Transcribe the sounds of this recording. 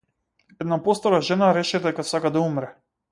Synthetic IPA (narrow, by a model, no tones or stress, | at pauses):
ɛd̪napɔst̪ɔɾaʒɛnaɾɛʃɛd̪ɛkasakad̪aumɾɛ